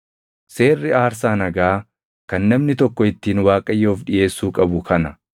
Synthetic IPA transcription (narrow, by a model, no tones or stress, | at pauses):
se̞ːrːɪaːɾsaːnɐɡaː | kɐnːɐmnɪt̪ɔkːɔɪt̪ːiːnwaːkʼɐjːoʊfᶑɪje̞ːsːuːkʼɐbʊkɐnɐ